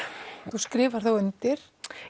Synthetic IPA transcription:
θuskɾɪːvaɾ̥θowœnt̪ɪɾ̥

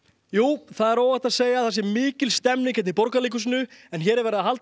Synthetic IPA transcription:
juːθaðɛɾoːwaht̪aðseːjaθɛs̬ɪmiːcɪlst̪ɛmnɪŋcʰɛt̪nipɔɾkaliːk̬ʏs̬ɪnʏɛnçɛːɾɛɾvɛɾɪðaɦalt̪

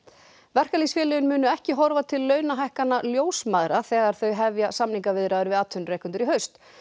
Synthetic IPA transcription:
vɛr̥kalisfjɛːlɛʏnmʏːnʏɛhcɪɦɔɾvat̪ʰɪlːœːɥnaɦajhkanːaljoːwsmaːðɾaθɛːɣaɾ̥θœɥɦɛvjasamniŋkavɪðɾaðʏɾvɪðaːt̪ʰːʏnreːjkʏnt̪ʏɾiɦœɥst̪

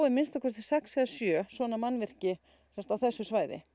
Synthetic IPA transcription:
wɪmɪnst̪akʰɛst̪ɪ̥sɛksɛðsjœːsvɔːnamanːvɪr̥cɪ | sɛnmst̪awθɛsːʏsvaːjðɪ̰

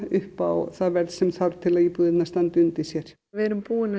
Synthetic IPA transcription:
ʏhpawθaðvɛɾðsɛmθaɾt̪ʰɪlaðiːpuːðɪt̪nast̪ant̪ʏnt̪isjɛɾ̥ | vɛːɾʏmpuːɪna

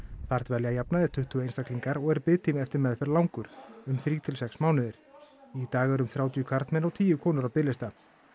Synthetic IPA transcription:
θar̥t̪vɛljajapnaðɛɾ̥t̪ʰʏht̪ʰʏeːjnst̪akliŋkaɾɔɣɛɾpɪːt̪ɪmɛft̪ɪɾmɛðfɛɾlawŋkʏɾ̥ʏmθɾiːt̪ʰɪlsɛksmaːwnʏðɪɾ̥it̪aːɣɛɾʏmθɾjaːwt̪ʰijʏkʰvaɾ̥t̪mɛnɔwt̪ʰiːjʏkʰɔːnʏɾawpɪlɪst̪a

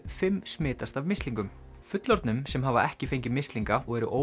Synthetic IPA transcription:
fɪmsmɪːt̪ast̪avmɪst̪liŋkʏm | fʏt̪lɔɾt̪nʏmsɛmɦavaʔɛhcɪfejɲcɪmɪst̪liŋkaɔɣɛɾʏʔoː

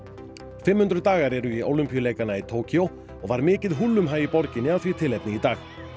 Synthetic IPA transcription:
fɪmːhʏnt̪ɾʏðt̪aːɣaɾɛɾʏio̰ːwlʏmpijʏleːjkanait̪ʰoːwcʰiow | ɔɣvaɾmɪːcɪðɦulːʏmɦaːjipɔɾcɪnːɪawθvit̪ʰɪlɛjpnɪit̪aːx

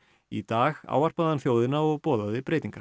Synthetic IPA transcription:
it̪aːɣa̰ːwar̥paðhanθjoːwðɪnaɔɣpɔːðaðɪpɾeːjt̪iŋkḁ

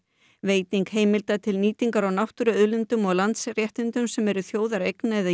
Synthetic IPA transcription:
veːjt̪niŋkheːjmɪlt̪at̪ʰɪlniːt̪iŋkaɾawnawht̪ʏɾʏʏðlʏnt̪ʏmɔɣlant̪srjɛht̪ɪnt̪ʏmsɛmɛɾʏθjoːwðaɾejknaɛða

